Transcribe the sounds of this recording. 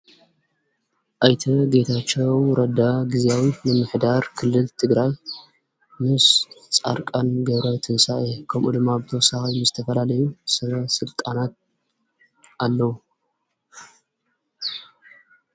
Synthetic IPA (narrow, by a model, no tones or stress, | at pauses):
ʔajt̪ʰɐɡe̞t̪ʰat͡ʃːewɾɐd̪aɡiziawinɨmɨħd̪aɾkʰɨlːɨlt̪ʰɨɡɾaj | mɨst͡sʼa̰ɾkʼanɡɐβɾɐwt̪ʰɨnsaʔekʰɐmʔud̪ɨmːabɨt̪ʰɐwsaxajmɨzɨt̪ʰɐfɐlalɐjusɐβɐsɨlt̪ʼanat̪̚ | alːɐwu